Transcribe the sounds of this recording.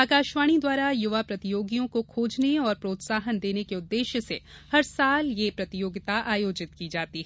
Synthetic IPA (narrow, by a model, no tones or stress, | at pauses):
aːkaːʃʋaːɽ̃id̪waːɾajʊʋapɾɐt̪ɪjoːɡijõkokʰoːd͡ʒneɔːɾpɾoːt̪saːɦənd̪eːnekeʊd̪ːeːʃjəse | hɐɾsaːljepɾɐt̪ɪjoːɡɪt̪aʔaːjoːd͡ʒɪt̪̚kid͡ʒaːt̪iɦɛ